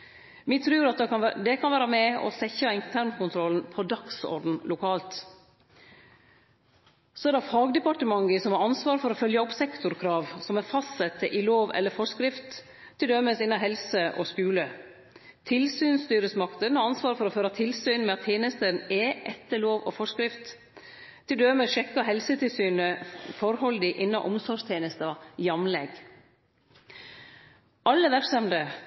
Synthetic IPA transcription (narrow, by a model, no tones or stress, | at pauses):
mit̪ʰɾʉːɾɑt̪̚ɑd̪ɛkʰɑnʋæːɾɑmɛɔ̰sɛçɑɪnt̪ʰæɾɳkʊnt̪ʰɾɔlnpʰɔd̪ɑksɔ̰ɾɖ̪n̩lʊkʰɑːlt̪ | soɛd̪ɛfɑːɡd̪ɛpɑʈəmɑŋɡəsɔmhɑɾɑnsʋɑːɾfɔɾɔfœljəɔpsɛkt̪ʊɾkʰɾɑːʋsɔmæɾfɑst̪sɛt̪ʰːəʔɪloːʋɛ̰lːəɾfɔʂkɾɪft̪ʰː | ɪld̪œmːəsɪnːɑɦɛlsəʔɔ̰skʉːlə | t̪ʰɪlsyːnst̪yːɾəsmɑkt̪ənɑnsʋɑːɾfɔɾɔføːɾɑt̪ʰɪlsyːnmɛɑt̪ʰːeːnəst̪ənɛʔɛt̪ːəɭoːʋɔfɔʂkɾɪft̪ʰː | ɪld̪øməʃɛkːɑɦɛlsət̪ʰɪlsyːnəfɔɾhɔld̪ɪʔɪnːɑ̰ʔɔmsɔʂt̪ʰeːnəst̪ɑjɑmlɛɡ | ʔɑlːəʋæɾksɑmd̪ə